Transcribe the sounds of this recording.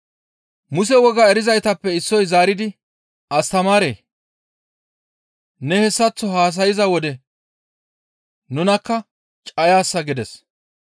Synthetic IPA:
mʊsɛwɔɡɐɛɾɪzɐjt̪ɐpːɛɪsːɔjzaːɾɪd̪ɪ | ɐst̪ɐmaːɾḛː | nɛhɛsːɐt͡sːɔɦaːs̬ɐjɪzɐwɔd̪ɛ | nʊnɐkːɐ | t͡ʃʼɐjaːsːɐɡɪd̪ɛs

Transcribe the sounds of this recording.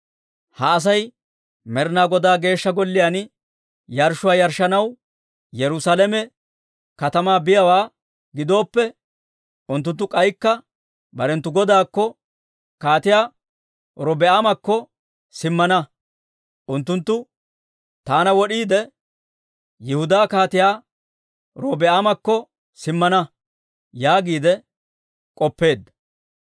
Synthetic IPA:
hɐːs̬ɐj | mɛɾnaːɡɔd̪aːɡe̞ːʃːɐɡɔlːɪjaːn | jɐɾʃʊwaːjɐɾʃːɐnɐw | jɛɾʊsalɛmɛ | kɐt̪ɐmaːbɪjɐwaː | ɡɪd̪o̞ːpːɛ | ʔʊnt̪ːʊnt̪ːʊkʼɐjkːɐ | bɐɾɛnt̪ːʊɡɔd̪aːkːɔ | kaːt̪ɪjaː | ɾɔbɛamɐkːɔ | sɪmːɐnɐ | ʔʊnt̪ːʊnt̪ːʊ | t̪aːnɐwɔɗiːd̪ɛ | jɪhʊd̪aːkaːt̪ɪjaː | ɾɔbɛamɐkːɔ | sɪmːɐnɐ | jaːɡiːd̪ɛ | kʼɔpːe̞ːd̪ːɐ

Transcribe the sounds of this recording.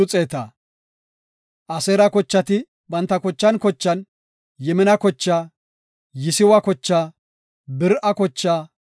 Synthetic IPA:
ʊt͡sʼeːt̪ɐ | ʔɐsɛːɾɐkɔt͡ʃːɐt̪ɪ | bɐnt̪ːɐkɔt͡ʃːɐnkɔt͡ʃːɐn | jɛmɪnɐkɔt͡ʃːaː | jɪsɪwɐkɔt͡ʃːaː | bɪɾʔɐkɔt͡ʃːaː

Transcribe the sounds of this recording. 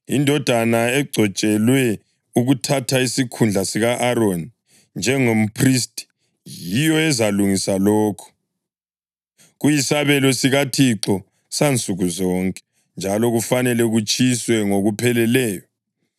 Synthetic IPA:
indʱɔd̥ʱanaɛɡ͡ǀʱɔt͡ʃʼɛlwɛ | uɣutʰatʰaisikʰund͡ɮʱasiɣaʔaɾoni | nd͡ʒʱɛŋom̩pʰris̬tʼi̥ | jijɔɛzaluŋisalɔːkʰɔ̥ | ɣujisaβɛlɔsiɣatʰiǁɔ | sant͡sʼuɣuzɔːŋkʼɛ̥ | nd͡ʒʱalɔɣufanɛlɛɣut͡ʃʼiswɛŋoɣupʰɛlɛlɛːjɔ

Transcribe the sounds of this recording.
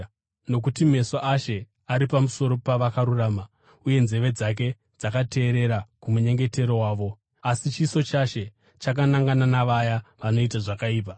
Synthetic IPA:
no̞k̬utime̞soʔaʃe̞ | aɾipamuso̞ɾo̞paʋakaɾuraːma | uje̞nze̞ʋe̞d͡zak̬e̞ | d͡zakate̞ːɾe̞ɾakumuɲe̞ŋɡe̞te̞ɾo̞waːʋo̞ | asit͡ʃiso̞t͡ʃaʃe̞ | t͡ʃak̬anaŋɡananaʋajaʋano̞itaʐakaiːp̬a

